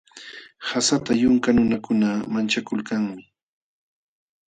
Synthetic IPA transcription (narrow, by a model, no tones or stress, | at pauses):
hasat̪ajʊŋkanʊnakʊnamant͡ʃakʊlkaŋmɪ